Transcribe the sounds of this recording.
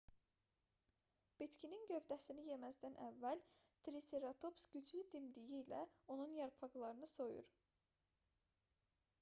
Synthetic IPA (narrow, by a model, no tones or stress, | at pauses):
b̥it̪cʰininɟø̞vd̪æsinije̞mæzd̪ænʔævːælt̪ʰɾiseɾat̪ʰo̞psɟ̥yd͡ʒlyd̪imd̪ijiːlæ̰o̞nunjɑɾpʰɑɡlˠɑɾɯnɯso̞jṵɾ